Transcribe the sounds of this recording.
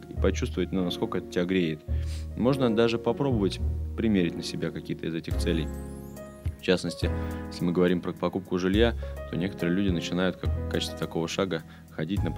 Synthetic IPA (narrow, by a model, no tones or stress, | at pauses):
kipɐt͡ɕust̪vəvətʲnunɐskolkəɛt̪ə̥tʲɪaɡɾʲeɪt̪mo̞ʐnəd̪aʐɨpɐpɾo̞bəvətʲpɾʲɪmʲeɾʲɪtʲnəsʲɪbʲakɐkʲijət̪əɪ̰zɛtʲɪxt̪sɛlʲɪj | ft͡ɕasnəsʲtʲɪjesʲlʲɪmɨɡəvɐɾʲimpɾəpɐkup̚kʊʐɨlʲjat̪o̞̰nʲe̞kə̥t̪əɾɨɪlʲudʲɪnət͡ɕɪnajʊt̪kakːat͡ɕɪ̥st̪vʲɪ̥t̪ɐko̞vəʂaɡə | xɐdʲitʲnə